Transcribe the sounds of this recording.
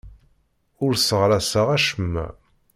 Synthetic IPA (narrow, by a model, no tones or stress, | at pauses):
ʊɾsəʁɾæsəʁæʃəmːæ̰